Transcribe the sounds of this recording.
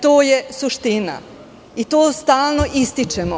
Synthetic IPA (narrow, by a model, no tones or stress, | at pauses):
t̪oːjesuʃt̪ina̰ | it̪oːst̪aːlˠno̞ʔist̪it͡ʃemo